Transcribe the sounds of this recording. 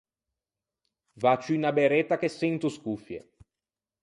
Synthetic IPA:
vat͡ʃuinabeɾɛt̪ːak̟esːɛnt̪uskufjḛ

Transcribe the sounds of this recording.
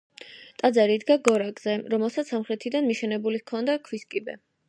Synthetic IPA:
t̪ʼad̪zaɾid̪ɡaɡɔɾakʼz̥ɛɾɔmɛlˠsat̪ssamχɾɛt̪ʰid̪anmiʃɛnɛbulikʰɔnd̪akʰwiskʼibɛ̰

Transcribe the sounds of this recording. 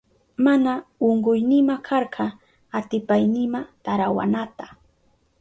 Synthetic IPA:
manaoɴɢʊjnɪmakʰɑɾɢɑ | at̪ɪpajnɪmat̪aɾawa̰nat̪ḁ

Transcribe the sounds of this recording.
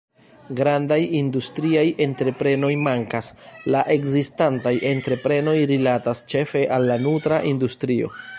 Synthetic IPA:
ɡɾandajindustɾiaje̞ntɾe̞pɾe̞no̞jmaŋkaslaʔe̞kzistantajʔe̞ntɾe̞pɾe̞no̞jɾilatast͡ʃe̞fe̞ʔalːanutɾaʔindustɾio̞̰

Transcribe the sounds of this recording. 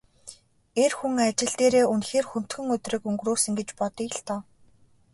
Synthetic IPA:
erxuŋat͡ɕɪ̆ɮt̪eːɾeːɵnxeːrxun̥t̪xɵ̆ŋɵt̪rĭːkɵŋɡruːsɵ̆ŋɡet͡ɕpɔt̪iɬt̪ɔː

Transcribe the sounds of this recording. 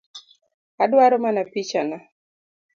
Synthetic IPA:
adwaɾomanapit͡ʃana

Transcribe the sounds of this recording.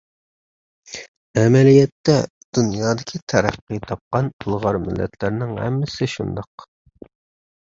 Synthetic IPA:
ɛmɛlijɛt̪ːɛ | d̪̥unjɑːd̪ɪkʲʰit̪ʰɛɾæqːit̪ʰɑp̚qɑnulˠʁɑɾmɪ̰lːʔɛ̰t̪ʰlɪɾnɪŋhɛ̰mːɪsɪʃṵnd̪ɑq

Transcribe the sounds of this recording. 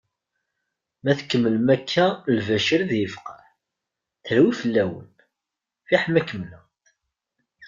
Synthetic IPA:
mæθkːəmːəlmækʰːælvæʃəɾðjəfqɑħ | θɾwifəlːæwə̰n | fiħmækːəmləʁ

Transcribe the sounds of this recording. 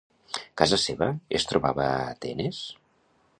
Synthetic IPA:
kazəseβəest̪ɾuβaβət̪enes

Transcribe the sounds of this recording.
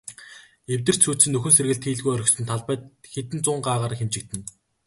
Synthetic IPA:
ewt̪ɘ̆r̥t͡ɕsʰuːt̪sɘ̆nːɵxɵ̆nserɣɘ̆ɮt̪xiːɮɣujœɾʲɵ̆ksɵ̆nt̪ʰaɮpæːt̪xet̪̬ɘ̆nt͡sʊːɴɢaːʁaːɾə̆xemt͡ɕɪ̆k̚t̪ɘ̆n

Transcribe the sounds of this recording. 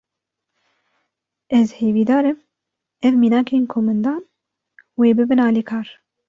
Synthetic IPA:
ɛzheːviːd̪ɑːɾɨm | ɛvmiːnɑːkʰeːnkʰoːmɨnd̪ɑːn | weːbɨbɨnɑːliːkʰɑːɾ

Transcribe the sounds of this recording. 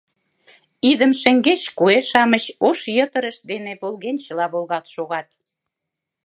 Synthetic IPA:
id̪ə̆mʃĕŋɡet͡ɕkueʃɑməɕoʃjət̪ə̆ɾə̆ʃ̚d̪enepolɣent͡ɕə̆lɑβolɣɑt̪ʃoɣɑt̪̚

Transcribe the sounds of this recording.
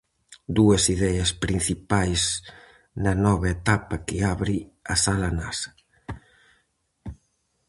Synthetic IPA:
d̪uesiðɛaspɾin̟θipajz | nɐnɔβaet̪apɐkɪaβɾiɐsalana̰sḁ

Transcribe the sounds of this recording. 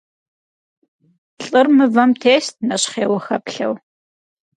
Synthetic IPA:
ɬʼɨrmɨvɐmtʰeːst̚nɐɕχeːwɐxɐpɬɐ̰w

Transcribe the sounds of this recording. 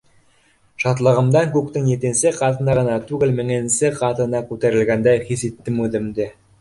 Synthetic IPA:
ʃɑt̪lˠɤ̆ʁɤ̆md̪ɑŋkʉk̚t̪ɘŋjet̪ĕnsɘqɑt̪ɤ̆nɑʁɤ̆nɑt̪ʉɡɘlmɘ̆ŋensɘqɑt̪ɤ̆nɑkʉt̪æɾɘ̆lɡænd̪æjχisit̪ːɘmʉðɘ̆md̪ɘ

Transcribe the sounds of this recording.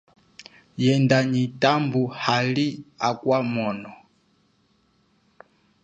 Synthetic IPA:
jɛndaɲitambuhaliakwamɔnɔ

